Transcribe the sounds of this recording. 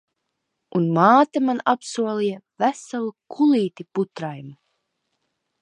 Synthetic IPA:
unmaːt̪amanapsuɔlˠijavæsalˠukʰuliːt̪iput̪ɾajmu

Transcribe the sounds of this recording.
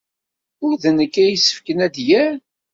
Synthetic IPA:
ʊɾðənəkːæjəsːə̥fkənæd̪jæɾ

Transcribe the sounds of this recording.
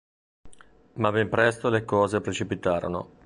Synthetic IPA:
mabɛmpɾɛst̪olekɔːzepɾet͡ʃipit̪aːɾo̰no̰

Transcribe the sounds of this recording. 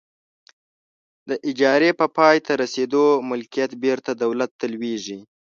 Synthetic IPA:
d̪əʔɪd͡ʒɑɾepəpɑjt̪ʰaɾased̪omʊlkijat̪beɾt̪ad̪awlat̪ːəlweʐi

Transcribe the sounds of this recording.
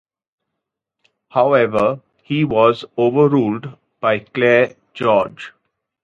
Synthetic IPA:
haʊɛʋəɾ | hiːʋɔːzoːʋəɾuːlɖ | b̥aɪkleː | d͡ʒɔːɾd͡ʒ

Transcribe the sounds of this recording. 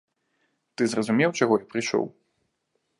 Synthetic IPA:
t̪ɨzrɐzumʲɛwt͡ʂaɣɔipɾɨʂɔ̰w

